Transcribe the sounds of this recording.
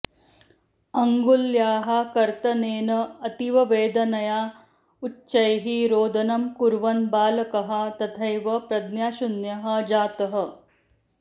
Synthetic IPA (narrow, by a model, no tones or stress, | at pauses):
ɐŋɡuljaːɦɐkɐɾt̪ɐneːnɐɐt̪iʋɐʋeːd̪ɐnɐjaː | utːʃɐjɦiɾoːd̪ʱɐnɐmkuɾʋɐnbaːlɐkɐɦɐ̆t̪ɐt̪ʰɐjʋɐpɾɐd̪njaːʃunjɐɦɐ̆d͡ʒaːt̪ɐɦɐ̆